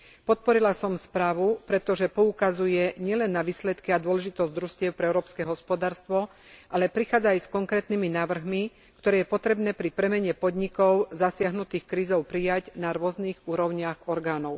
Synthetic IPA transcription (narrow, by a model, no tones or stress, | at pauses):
pɔt̪̚pɔɾilasɔmspɾaːʋupɾɛt̪ɔʒɛpɔukazujɛɲɪɛlɛnːaʋiːslɛt̪kiad̪ʊɔlɛʒit̪ɔzɟd̪ɾuscɪɛʊpɾɛɛʊɾɔːpskɛɦɔspɔd̪aːɾst̪ʋɔ | ʔalɛpɾixaːd͡zaːjskɔŋkɾɛːt̪niminaːʋr̩ɦmi | kt̪ɔɾɛːjɛpɔt̪ɾɛbnɛːpɾipɾɛmɛɲɛpɔd̪ɲikɔʊzasɪaɦnut̪iːxkɾiːzɔʊpɾijaɟnaɾʊɔzniːɣuːɾɔʊɲɪaɣɔɾɡaːnɔʊ